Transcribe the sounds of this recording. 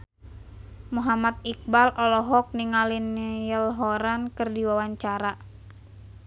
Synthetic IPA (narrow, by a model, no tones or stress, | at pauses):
muɦamat̪̚ik̚balʔɔlɔɦɔk̚niŋalinjəlɦɔɾankɨrdiwawaɲt͡ʃaɾa